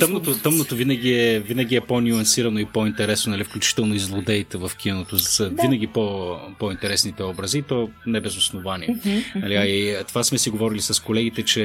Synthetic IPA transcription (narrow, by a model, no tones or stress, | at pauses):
t̪əmnot̪ot̪əmnot̪ovinɐɡiɛvinɐɡ̟ʲiɛponʲuɐnsiɾɐnoipoint̪ɛɾɛsnonɐlifklʲut͡ʃi̥t̪ɛlˠnoizlˠod̪ɛit̪ɛvɐfk̟inot̪ozvinɐɡ̟ʲipopoint̪ɛɾɛsnit̪ɛɔbɾɐziːt̪ɔnɛbɛzosnovaniɛnnɐliait̪ovasmɛsiɡovɔɾilisɐskolɛɡ̟it̪ɛt͡ʃɛ